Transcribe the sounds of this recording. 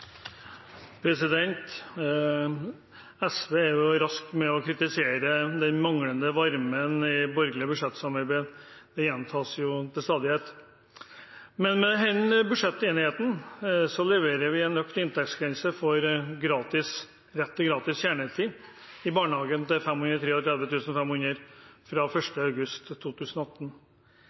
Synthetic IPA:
pʰɾɛsɪd̪ɛnt̪ | ɛsʋeːæɾjʊɾɑskmɛɔkʰɾɪt̪ɪseːɾəd̪ɛnmɑŋɽənd̪əʋɑɾmənɪbɔɾɡlɪəbʉʂɛt̪ːsɑmɑɾbeːd̪ɛjɛnt̪ʰɑːsjʊt̪ʰɪlst̪ɑːd̪ɪheːt̪ | mɛnmɛɦɛnbʉʂɛt̪ːeːnɪheːt̪n̩sɔlɛʋeːɾəɾʋɪɛnːœkt̪ɪnt̪ʰɛkt̪sɡʰɾɛnsəfɔɾɡɾɑːt̪ɪs | ɾɛt̪ʰːɪɡɾɑːt̪ɪsçæːɳɛːst̪ʰiː | ɪbɑːɳəhɑːɡənt̪ɪfɛmːhʉnɾət̪ʰɾeːɔt̪ʰɾɛd̪ʋət̪ʉːsənɔfɛmhʉnəɾfɾɑfœʂʈəɑʉɡʉst̪ʰːuːt̪ʰʉːsən̩ɔɑt̪ːn̩

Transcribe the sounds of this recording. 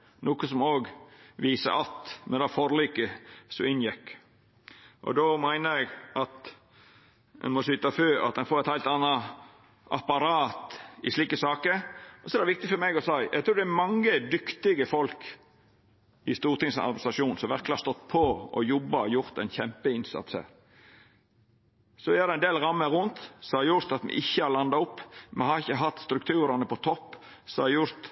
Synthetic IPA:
nuːkəsɔmoːɡʋiːsə̰ʔɑt̪mɛnd̪ɑːfɔɾliːkəsɔ̰ɪnjɛkː | ʔɔ̰d̪ɔmæɪnəɾæɪɡʔɑt̪ | ɛ̰nmɔsyt̪ɑføːɑ̰t̪d̪ɛnfoːɾæɪt̪hæɪlt̪ɑnːɑ | ʔɑ̰pɑɾɑːt̪ɪʂliːkəsɑːkəɾɔsɔɛɾd̪ɛʋɪk̚t̪ɪfɔɾmɛɡɔsæɪʔɛ̰ɡt̪ɾuːd̪ææmɑŋːəd̪ʏkt̪ɪɡəfɔlk | ɪst̪uːɾt̪ɪŋsɑ̰ɾbsɑʂuːnsɔmʋæɾkləhɑɾst̪ɔt̪ːpʰɔɔjɔbːɑjʊɾt̪ɛnçɛmpəɪnsɑ̰t̪shæ̰ːɾ | sɔæɾd̪ɛæɪnd̪eːlɾɑmːəɾʊnt̪sɔhɑɾjʊɾt̪ɑt̪mɛ̰ʔɪçːəhɑɾlɑnd̪ɑʊpːmɛhɑɾɪçːəɦɑt̪ːst̪ɾʉkt̪ʰʉːɾɑnəpɔt̪ʰɔpː | sɔɑɾjʊɾt̪

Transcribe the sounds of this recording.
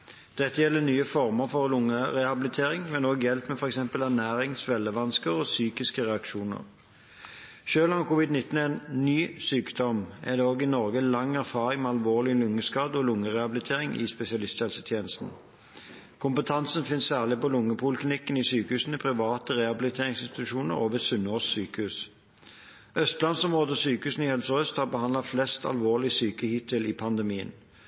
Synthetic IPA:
d̪̥ɛt̪ːəjɛlːənyːəfɔʁməʁfɔlʊŋəʁɛhɑbɪlɪt̪ʰeːʁɪŋmɛnoːɡjɛlpmɛfɔʁɛksɛmpəlæʁnæːɾɪŋsʋɛlːəʋɑnskəʁosyːkɪskəʁɛɑkʃuːnə̰ʁ | ʃøːlɑnkʰʊːʋɪd̪nɪt̪ːn̩ɛnnyːsyːkd̪ɔmɛ̰d̪eoːɡɪnɔʁɡəlɑŋːæʁfɑːɾɪŋmɛɑlʋoːʁlɪlʊŋːəskɑːd̪ɔlʊŋəʁɛhɑblɪt̪ʰeːʁɪŋɪ̰spɛsɪɑlɪst̪ɛlsət̪ʰjeːnəst̪n̩ | kʰʊmpət̪ʰɑnsənfɪnssæːʁlɪpɔlʊŋːəpʰʊlkʰlɪnɪkːənɪsyːkəhʉːsən̩ɛpʰʁɪʋɑːt̪əʁɛɑbɪlɪt̪ʰeːʁɪŋsɪnst̪ɪt̪ʉʃuːnə̰ʁoːʋəsʉnoːsːyːkəhʉːs | œst̪lɑnsɔmʁoːd̪əɔsyːkəhʉːsn̩ɪhɛlsɔœst̪hɑʁbəhɑnd̪lɑflɛst̪ɑ̰lʋoːʁlɪsyːkəhɪt̪əlɪpʰɑnd̪ɛmiːə̰n

